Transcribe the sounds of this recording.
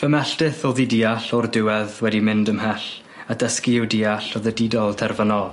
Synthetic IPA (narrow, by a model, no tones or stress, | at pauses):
fəmɛɬtɨθɔːðidiːaɬɔrdɪwɛðwɛdimɪndəmɦɛɬ | adəskiɪwdiaɬɔðədidɔlˠtʰɛrvənɔlˠ